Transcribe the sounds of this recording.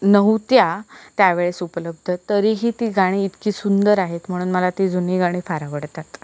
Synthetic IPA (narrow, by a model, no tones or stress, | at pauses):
nəɦut̪jat̪jaʋeɭesupləb̚d̪ʱət̪ːəɾiɦiːt̪iːɡaɽ̃iːt̪kiːsund̪əɾaɦet̪m̤əɽ̃uːnməlat̪iːd͡zuniːɡaɽ̃iːfaɾaʋəɽt̪at̪